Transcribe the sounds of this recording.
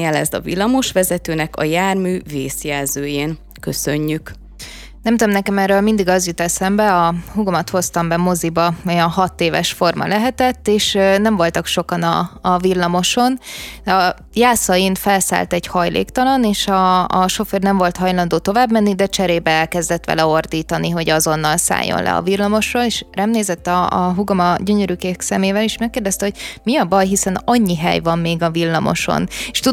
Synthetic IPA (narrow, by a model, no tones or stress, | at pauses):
ɛlɛ̰zt̪ɒ̰vḭlːɒmo̞ʃʋɛzɛt̪øːnɛkɒ̰jaːrmyːveːsjɛlzøːjeːn | køsø̞ɲːyk | nɛmt̪od̪omnɛkɛmɛrːøːlmind̪iɡɒzjut̪ɛlsɛmbɛɒɦuɡomɒt̪ho̞st̪ɒmbɛmo̞zibɒojɒnɦɒt̪ːeːvɛ̰ʃfo̞rmɒ̰lɛɦɛt̪ɛt̪ːeːʃnɛɱvo̞lt̪ɒkʃo̞kɒnɒ̰ːvilːɒmo̞ʃo̞nɒ | jaːsɒjinfɛlsa̰ːlt̪ɛɟhɒjlʔḛːkt̪ɒlɒneːʃɒːʃo̞førnɛɱvo̞lt̪hɒjlɒnd̪oːt̪o̞vaːbmɛnːid̪ɛt͡ʃɛɾeːbɛɛlkɛzd̪ɛt̪ʋɛ̰lɛo̞rd̪iːt̪ɒniɦo̞ɟɒzo̞nːɒlsa̰ːjːo̰nlɛ̰ɒ̰vilːɒmo̞ʃroːleːʃrɛmneːzɛt̪ːɒɦuɡɒmɒɟøɲøɾykeːksɛmeːvɛliʃmɛkːeːrd̪ɛst̪ɛɦoɟ̥̚miɒbɒjɦisɛnɒɲːiɦɛ̰jvɒmːeːɡɒvilːɒmo̞̰ʃo̞̰neʃt̪ud̪